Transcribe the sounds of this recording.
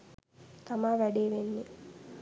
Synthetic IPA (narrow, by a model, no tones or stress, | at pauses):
t̪amaːʋæɖeːʋenːe